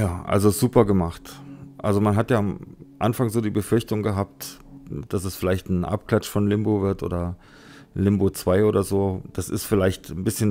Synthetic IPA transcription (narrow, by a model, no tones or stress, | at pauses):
jaːʔa̰lzozuːpɐɡəmaχtʔa̰lzomanɦatjaːmʔa̰nfaŋzoːdiːbəfʏɐçtʊŋɡəɦaːp̚t | d̥as̬ɛsfɪlaɪçtn̩ʔa̰pkl̥at͡ʃfɔnlɪmbovɪɐtʔo̰ːdɐ | lɪmboːt͡sv̥aɪʔoːdɐzoːd̥asɪ̰stfɪlaɪçtn̩bɪsçən